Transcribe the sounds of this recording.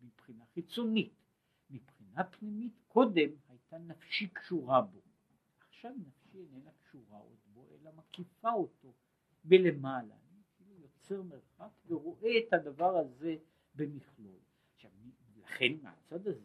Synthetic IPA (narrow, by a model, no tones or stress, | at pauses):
mipχinaχit͡so̞nit | mipχinapnimitkʰo̞de̞mhajt̪anafʃikʃuʁabo̞ | ʔaχʃavnafʃienenakʃuʁaʔo̰d̪bo̞ʔḛlamakifao̞to̞ | belemala̰ːnikilujo̞t͡se̞ʁmeʁχakveʁo̞ʔe̞ːt̪had̪avaʁaze | bemiχlo̞̰l | aχʃavmi | laχe̞nmea̰t͡sad̪aze